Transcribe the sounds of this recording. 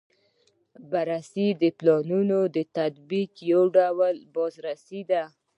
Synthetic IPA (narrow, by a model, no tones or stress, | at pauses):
baɾasid̪əplɑnunod̪ət̪ad̪bikjawɖawalbɑzɾasid̪a